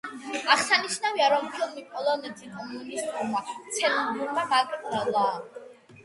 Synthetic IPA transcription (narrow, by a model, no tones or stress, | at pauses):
aʁsaniʃnaviaɾɔmχʰɛlˠmipʼɔlˠɔnɛt̪ʰikʼɔmunist̪ʼuɾmat̪sʼʰɛnɔɡ̪uɾmaɡakʼalaː